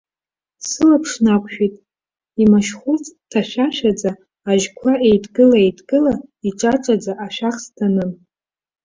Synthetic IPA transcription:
sɨlapʰʂnakʷʰʃᶣitʼ | imaʃχʷut͡sʰʼtʰaʃᶣaʃᶣad͡zaː | ʒkʷʰaʔejdɡɨlaejdɡɨlaiʈ͡ʂʼaʈ͡ʂʼad͡zaʔaʃᶣaχstʰanɨn

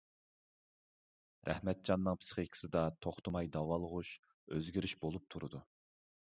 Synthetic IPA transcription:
ɾʔæ̰hmɛt̪̚d͡ʒɑnːɨŋpʰsɨ̥χikʲʰɪ̥sɨd̪ɑt̪ʰoχt̪ʰʊmɑjd̪ɑwɑlˠəʁuʃ | øzɡʲiɾyʃbolˠup̚t̪ʰuɾɨd̪u

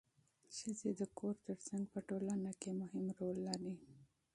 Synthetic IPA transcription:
ʃəzed̪əkʰoɾt̪əɾsaŋɡpəʈolanakemʊhɪmɾolːaɾi

